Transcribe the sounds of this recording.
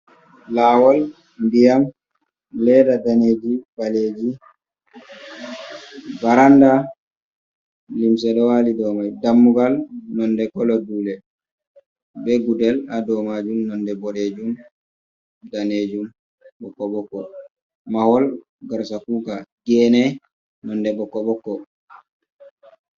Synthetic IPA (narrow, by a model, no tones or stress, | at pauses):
laːwɔl | ndijam | lɛdadaned͡ʒibaled͡ʒi | baɾanda | limsɛɗɔwalidɔmajdamːuɡalnɔndɛkɔlɔduːlɛ | bɛɡudɛladɔmad͡ʒumnɔndɛbɔled͡ʒum | daned͡ʒum | bɔkːɔɓɔkːɔ̰ | mahɔl | ɡaɾsakuːɡaɡɛnɛ | nɔndɛbɔkːɔɓɔkːɔ